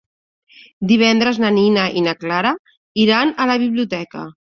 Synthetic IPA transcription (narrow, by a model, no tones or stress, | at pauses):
d̪iβ̞ɛnd̪ɾəznəninəʔinəklaɾə | iɾanələβiβliut̪ɛkə̰